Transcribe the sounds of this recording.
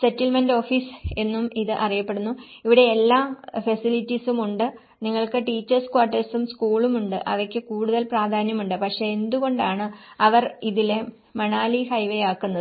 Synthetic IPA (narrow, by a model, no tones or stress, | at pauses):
setːilmendo̞ːfiːse̞nːumiðɨʔɐrijɐpːe̞ɽunːuiʋiɽe̞ːlːaːfɐsilitːisumuɳɖɨ | niŋːɐɭkɨʈiːt͡ɕːɐrskwaːʈːɐsumskuːɭumuɳɖɨ̰ʔɐ̰ʋɐkʲːɨkuːɽuðɐlpraːd̪ʱaːnjɐmuɳɖɨpɐkʂe̞end̪uɣo̞ɳɖaːɳɨɐʋɐriðile | mɐɳaːlihɐjʋɐjaːkːunːɐðɨ